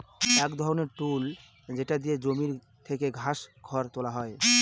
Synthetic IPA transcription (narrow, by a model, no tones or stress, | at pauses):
ɛkd̪ʱɔɾoneɾʈul | d͡ʑeʈad̪ijed͡ʑomiɾ | t̪ʰekeɡʱasɡʱɔɾt̪olaɦɔe